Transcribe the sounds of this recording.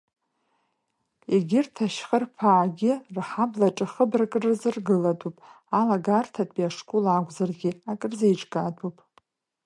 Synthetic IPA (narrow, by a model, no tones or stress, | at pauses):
eɡʲɪrtʰaʃχərpʰaːɡʲɪrħablaʈ͡ʂʼɨχəbrakʼrɨzɨrɡɨlatʼupʼ | alaɡartʰatʼiaʂkʷʰʼulaɡʷʼzarɡʲɪakʼɨrzejʈ͡ʂʼkʼatʰʼupʼ